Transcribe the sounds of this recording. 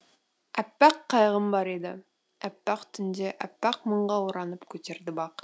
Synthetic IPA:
æpːæqʰːɑjʁəmbɑɾed̪ɪ̰ | æpːæqt̪ʰʏnd̪e̞ʔæpːæqməɴʁɑwʊɾɑnəpkʲʰɵt̪e̞ɾd̪ɪbɑq

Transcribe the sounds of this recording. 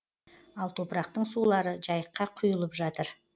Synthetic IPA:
ɑlˠt̪ʰo̞pəɾɑqt̪əɴsulˠɑɾəʒɑjəqːɑqʰʊjəlˠəpʒɑt̪əɾ

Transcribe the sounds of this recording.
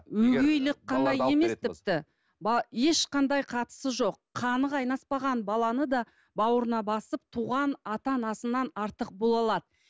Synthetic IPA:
wɵɡʲejlɪk̚qʰːɑnd̪ɑje̞me̞st̪ɪp̚t̪ɪ | bɑje̞ʃqɑnd̪ɑjqʰɑt̪ə̥səʒo̞qːʰɑnəqɑjnɑspɑʁɑnbɑlˠɑnəd̪ɑ | bɑwəɾənɑbɑsəp̚t̪ʰuʁɑnɑt̪ɑnɑsənːɑnɑɾt̪əq̚bo̞lˠɑlˠɑd̪ə

